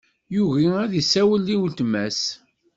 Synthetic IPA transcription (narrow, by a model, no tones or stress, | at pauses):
juʝiæðisːæwəlːiwlt̪mæs